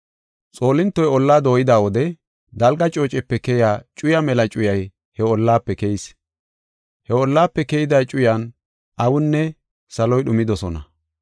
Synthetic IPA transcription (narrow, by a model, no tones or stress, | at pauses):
t͡sʼo̞ːlɪnt̪ːɔjɔlːaːd̪o̞ːjɪd̪aːwɔd̪ɛ | d̪ɐlɡɐt͡ʃʼo̞ːt͡ʃʼɛpːɛkɛjaːt͡ʃʼʊjɐmɛlɐt͡ʃʼʊjɐj | hɛɔlːaːpːɛkɛjɪs | hɛɔlːaːpːɛkɛjɪd̪ɐjt͡ʃʼʊjan | ʔɐwʊnːɛ | sɐlɔjɗʊmɪd̪ɔsɔnɐ̰